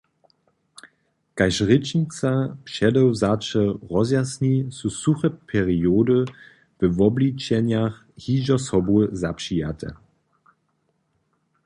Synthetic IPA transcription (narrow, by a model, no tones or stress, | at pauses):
kaɪʃʁɪt͡ʃnit͡sapʃɛdɔwzat͡ʃəʁɔzjasnisusuχəpʰɛʁioːdə | v̥əvɔblit͡ʃɛnjaχ | hiːʒɐsɔbuəzapʃiatʰə̰